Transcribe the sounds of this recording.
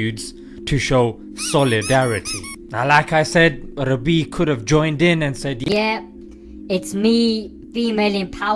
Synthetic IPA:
ʉdz̥ | tʰuʃoʊ | sɔlɪdæɹɪtʰi | nalaɪkaɪsɛd̚ɹɛbikʰʊɾəvd͡ʒɔ̃ɪ̃ndɪ̃nɨ̃nsɛdɛ | ɪtsmi | fiːmelɪ̃npʰaʊ

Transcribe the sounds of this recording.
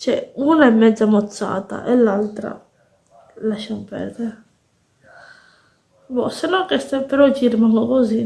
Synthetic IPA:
t͡ʃɛunaɛmːɛd̪zːamot̪sːa̰ːt̪a̰ʔelːalt̪ɾa̰ | laʃamopɛ̰ɾd̪eɾe | bɔ̰senːɔŋkɛst̪ɛpɛɾɔt͡ʃirimaŋɡokozi

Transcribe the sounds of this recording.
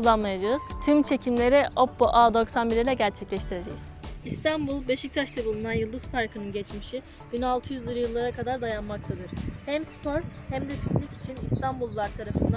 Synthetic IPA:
ulˠːanmajad͡ʒaɯz̥t̪ʰymt͡ʃʰe̞cʰimlʲe̞ɾiʔopːoʔaːd̪o̞ksanbiɾilʲɛɟæɾt͡ʃʰɛclʲɛʃt̪ʰiɾe̞d͡ʒɛjz̥ist̪ʰanbulˠbeʃic̚t̪ʰaʃt̪ʰɯbulˠunanjɯlˠd̪ɯzpʰaɾkʰɯnɯnɟɛt͡ʃmiʃi | b̥inalˠt̪ʰɯjyzlʲˠɯɾɯjɯlˠːaɾakad̪aɾd̪ajanmak̚t̪ʰad̪ɯɾ̥hæmspʰo̞ɾhæmd̪ɛt̪ʰyplʲyci̥t͡ʃʰinist̪ʰanbulˠvˠaɾt̪ʰaɾafɯnd̪

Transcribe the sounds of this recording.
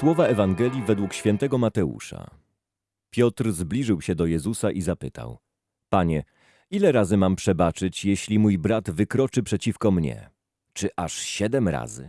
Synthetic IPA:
swɔvaɛvaŋɡɛlʲjivɛd̪wukɕfʲɛnt̪ɛɡɔmat̪ɛṵʂa̰ | pʲjɔt̪ɾzblʲiʐɘwɕɛd̪ɔjɛzusaʔizapɘt̪ʰa̰w | paɲɛ | ilɛɾazɘmampʂɛbat͡ʂɘt͡ɕjeɕlʲimujbɾad̪vɘkɾɔt͡ʂɘpʂɛt͡ɕifkɔmɲɛ̰ | t͡ʂɘʔaʂɕɛd̪ɛmɾa̰zɘ̰

